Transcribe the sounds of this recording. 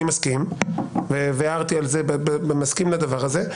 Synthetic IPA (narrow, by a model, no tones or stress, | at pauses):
imaskimveveaʁt̪ialzebebebemaskimlad̪avaʁaze̞